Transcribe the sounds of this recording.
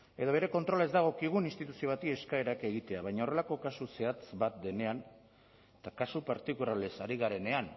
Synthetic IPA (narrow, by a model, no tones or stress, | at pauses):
e̞ðoβ̞e̞ɾe̞ko̞nt̪ɾo̞lezd̪aɣ̞o̞kiɣ̞uninst̪it̪usio̞βat̪ie̞skae̞ɾake̞ɣ̞it̪e̞aβajɲaore̞lako̞kasuse̞at͡sbat̪̚d̪e̞ne̞an | t̪akasupaɾt̪ikulale̞saɾiɣaɾe̞ne̞an